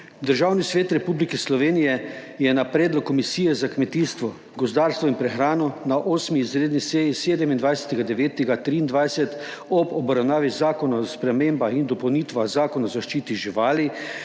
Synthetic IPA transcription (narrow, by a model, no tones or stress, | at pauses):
d̪əɾʒawnisʋeːt̪ɾɛpublikɛslɔʋeːnijɛjɛnapɾeːd̪lɔkːɔmisiːjɛzakmɛt̪iːst̪ʋɔ | ɡɔzd̪aːɾst̪ʋɔinpɾɛxɾaːnɔnaʔoːsmiːzɾeːd̪niseːjiseːd̪ɛmind̪ʋajsɛ̥t̪ɛɡad̪ɛʋeːt̪ɛɡat̪ɾiːnd̪ʋajsɛt̪ | ɔbɔbɾawnaːʋizaːkɔnaspɾɛmeːmbaind̪ɔpəwniːt̪ʋazaːkɔnaɔzaʃt͡ʃiːt̪iʒiʋaːli